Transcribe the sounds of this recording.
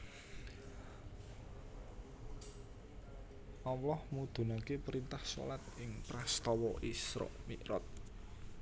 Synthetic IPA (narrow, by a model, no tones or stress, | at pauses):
ʔɔwlɔhmud̪̥ṳnakepɾint̪ahsɔ̰lat̪̚ɪŋpɾast̪ɔwɔʔisɾɔ̰ʔmiʔɾɔt̪̚